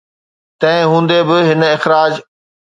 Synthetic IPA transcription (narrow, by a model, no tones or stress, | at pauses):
t̪ɐ̃ɪ̃ɦũːn̆d̪ebɪɦɪnɪxɾaːd͡ʑ